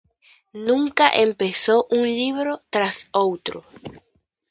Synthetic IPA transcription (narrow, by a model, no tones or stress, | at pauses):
nũŋkaʔempesoʔunliβɾot̪ɾasowt̪ɾo